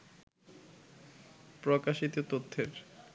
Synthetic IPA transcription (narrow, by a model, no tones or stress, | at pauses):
pɾɔkaʃit̪ot̪ot̪ʰːeɾ